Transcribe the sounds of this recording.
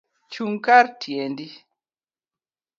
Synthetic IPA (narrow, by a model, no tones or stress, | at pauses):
t͡ʃuŋkaɾtʰjendi